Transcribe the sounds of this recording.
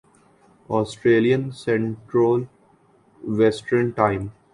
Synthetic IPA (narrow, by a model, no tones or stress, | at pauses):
ɔːsʈɾeːlijə̃nsẽɳʈɾoːl | ʋɛsʈəɾɳʈãɪ̃m